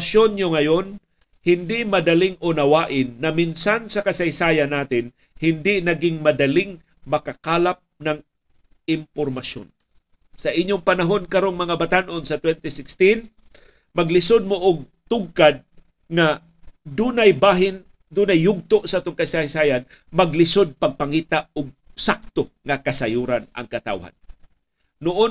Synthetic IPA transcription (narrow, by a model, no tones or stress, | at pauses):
sjonɲoŋɐjon | hɪnd̪ɪmɐd̪ɐlɪŋʔonɐwaːʔɪnːɐminsansɐkɐsɐjsaːjanːaːt̪ɪn | hɪnd̪ɪnɐɡɪŋmɐd̪ɐlɪŋ | mɐkakaːlap̚nɐŋ | ɪmpoɾmaʃjo̰n | sɐʔɪɲːoŋpɐnaɦo̞nkɐɾoŋmɐŋabat̪anʔonsɐt̪wɛnt̪ɪsɪkst̪in | mɐɡlɪsod̪̚moʔʊɡ̚t̪ʊɡ̚kad̪̚ | ŋa | d̪uːnajbaːɦɪn | d̪uːnajːʊɡ̚t̪oʔsaʔaːt̪ʊŋkaisahisajan | mɐɡlɪsod̪̚paɡ̚paŋiːt̪aʊɡ̚sak̚t̪oŋakasajuɾanʔɐ̰ŋkɐt̪a̰wha̰nː | ʊʔon